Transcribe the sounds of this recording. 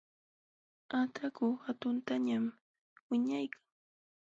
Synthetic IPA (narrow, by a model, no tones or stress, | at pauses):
at̪ʰakʊhat̪ʊnt̪aɲam | wɪɲajkʰaŋ